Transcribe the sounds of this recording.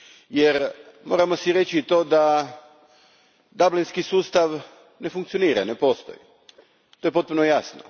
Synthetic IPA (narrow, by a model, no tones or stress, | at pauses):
jeɾmo̞ːɾamo̞siɾet͡ɕiːt̪od̪a | d̪ablinskisuːst̪aʋ | ne̞fuŋkt̪sijo̞niːɾa̰nepo̞ːst̪o̰jḭ | t̪ojepo̞t̪̚punojasno̰